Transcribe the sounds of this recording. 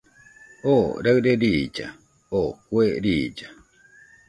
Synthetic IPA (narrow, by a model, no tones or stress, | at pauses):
oɾaɨɾeɾid͡ʒa̰ | okweɾid͡ʒa